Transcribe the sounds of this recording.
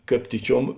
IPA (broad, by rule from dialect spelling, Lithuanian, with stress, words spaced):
ˈkɑːp ˈtʲiːˌt͡ʃʲuɔm